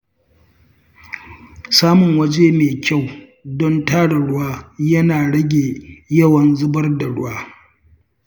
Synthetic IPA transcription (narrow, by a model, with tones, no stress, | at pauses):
saː˦mʊ˨ŋwɐ˦d͡ʒeː˦neː˨kʲa˦˨w | dɔ˦ntaː˦ɽa˨ɽʊ˦waː˦jɐ˦naː˨ɽɐ˦ɡʲeː˨jɐ˦wɐ˨nzʊ˦bɐ˦rda˨ɽʊ̰˦waː˦